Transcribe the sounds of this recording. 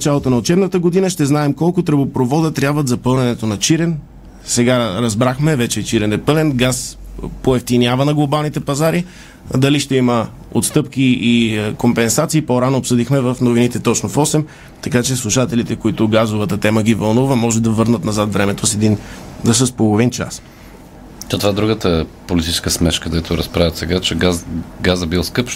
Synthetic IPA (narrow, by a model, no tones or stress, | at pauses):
nɐt͡ʃalˠot̪onɐot͡ʃɛbnət̪əɡod̪inəʃt̪ɛznaɛmkɔlˠkʊt̪ɾəbopɾovɔd̪ət̪ɾʲabvət̪zɐpɤlˠnɛnɛt̪onɐt͡ʃiɾɛn | sɛɡaɾɐzbɾaxmɛvɛt͡ʃɛːt͡ʃiɾɛnɛpɤlɛnɡaspoɛft̪inʲjavənɐɡlˠobalˠnit̪ɛpɐzaɾi | d̪ɐliʃt̪ɛimə | o̰t̪st̪ɤpkiikompɛnsat̪siːpoɾanoːpsɤd̪ixmɛvəfnovinit̪ɛt̪ɔt͡ʃnofɔsɛm | t̪ɐkat͡ʃɛslˠuʃat̪ɛlit̪ɛkoit̪ʊɡazovət̪ət̪ɛməɡivɐlˠnuvəmɔʒɛd̪ɐvɤɾnət̪nɐzat̪vɾɛmɛt̪osɛd̪inzəs̬əspolˠovint͡ʃa̰s | t̪ot̪ovad̪ɾuɡət̪əpolit̪i̥t͡ʃɛ̥skəsmɛt͡ʃkəd̪ɛt̪ʰoɾɐ̰spɾavət̪sɛɡat͡ʃɛɡaɡazəbilˠskɤp